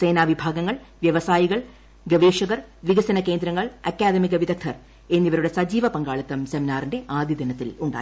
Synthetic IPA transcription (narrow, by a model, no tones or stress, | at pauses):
se̞ːnaːʋibʱaːɡɐŋːɐɭ | ʋjeʋɐsaːjiɣɐɭ | ɡɐʋeːʂɐɣɐr | ʋiɣɐsɐnɐke̞ːnd̪ɾɐŋːɐɭɐkːaːd̪ɐmiɣɐʋiðɐk̚t̪ʰɐr | e̞nːiʋɐɾuɽe̞sɐd͡ʑiːʋɐpɐŋɡaːɭɐt̪ːɐmsɐminaːrinde̞ʔaːd̪ʱjid̪ɐnɐt̪ːiluɳɖa̰ː